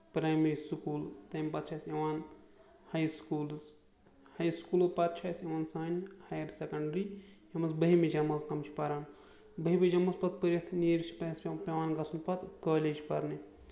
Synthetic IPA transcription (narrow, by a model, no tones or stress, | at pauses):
pɾaːjmɐɾisukuːlt̪ɐmʲpɐt̪̚t͡ʃʰaːjseʋaːn | hɐjskuːls | hɐjskuːlopɐt̪̚t͡ʃʰaːsjeʋaːnsaːnhajɐɾsekɐɳɖɾi | ɐmɐsbəɦimed͡ʒɐmɐlsk̪ɐmt͡ʃʰi̥pɐɾaːn | bəɦibed͡ʒɐmːɐspɐt̪̚pəɾit̪ʰniːɾt͡ʃʰi̥pɐspʲpʲeʋaːnɡɐsʰunpɐt̪kɐːleːd͡ʒpɐɾni